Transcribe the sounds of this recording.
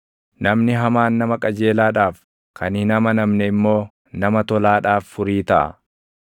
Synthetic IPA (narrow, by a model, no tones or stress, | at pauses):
nɐmnɪɦɐmaːnːɐmɐkʼɐd͡ʒe̞ːlaːᶑaːf | kʰɐnɪnɐmɐnɐmnɛɪmːo̞ː | nɐmɐt̪ɔlaːᶑaːfːʊɾiːt̪ɐʔɐ̰